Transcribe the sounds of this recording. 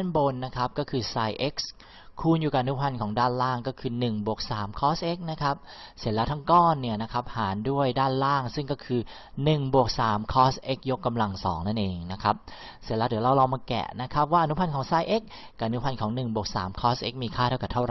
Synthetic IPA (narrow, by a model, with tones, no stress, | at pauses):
a˥˩nbo˧nːa˦˥kʰa˦˥p̚kɔː˥˩kʰɯː˧saː˧jʔe˦˥k̚s | kʰuː˥˩njuː˨˩ka˨˩ʔa˧nu˦˥pʰa˧nkʰɔː˩˦ŋdaː˥˩nlaː˥˩ŋkɔː˥˩kʰɯː˧nɯ˨˩ŋbu˨˩ək̚saː˩˦mkʰɔː˦˥sʔe˦˥k̚na˦˥kʰa˦˥p̚ | si˨˩˦əlɛ˦˥t̪ʰa˥˩ŋkɔː˥˩nːi˥˩ɐna˦˥kʰa˦˥p̚haː˩˦ndu˥˩əjdaː˥˩nlaː˥˩ŋsɯ˥˩ŋkɔː˥˩kʰɯː˧ | nɯ˨˩ŋbu˨˩ək̚saː˩˦mkʰɔː˦˥sʔe˦˥k̚jo˦˥kːa˧mla˧ŋsɔ̰ː˩˦ŋna˥˩nʔeː˧ŋna˦˥kʰa˦˥p̚ | si˨˩˦lɛː˧˦˥d̪ɯ˩˦la˧wɾaː˧wmaː˧kɛ̰˨˩ʔna˦˥kʰa˦˥p̚waː˥˩ʔnu˦˥pʰa˧nkʰɔː˩˦ŋsaː˧jʔe˦˥k̚ːa˨˩ʔnu˦˥pʰa˧nkʰɔː˩˦ŋnɯ˨˩ŋbu˨˩ək̚sa̰ː˩˦mkʰɔː˦˥sʔe˦˥k̚miː˧kʰaː˥˩t̪ʰa˥˩ka˨˩t̪ʰa˥˩ɾa˨˩˦